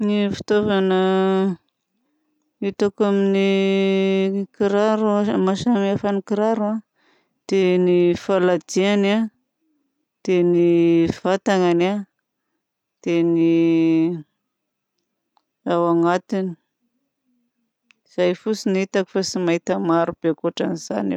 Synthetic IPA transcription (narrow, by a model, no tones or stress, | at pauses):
nifi̥t̪ovanə | it̪akamini | kiɾaɾumaʃamiafanikiɾaɾua | d̪̥enifalad̪iana | t̪eniv̥at̪aŋana | t̪eni | awaŋat̪ini̥ | z̥ajfusinit̪aki̥fasimaɦit̪amaɾub̥ekuʈ͡ʂaniz̥a̰nḛw